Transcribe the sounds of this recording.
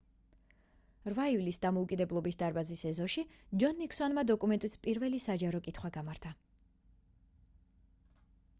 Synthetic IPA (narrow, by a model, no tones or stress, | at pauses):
ɾvaivlisd̪amɔukʼid̪ɛblˠɔbisd̪aɾbazisɛzɔʃid͡ʒɔnːiksɔnmad̪ɔkʼumɛnt̪ʼispʼiɾvɛlisad͡ʒaɾɔkʼit̪ʰχwaɡamaɾt̪ʰa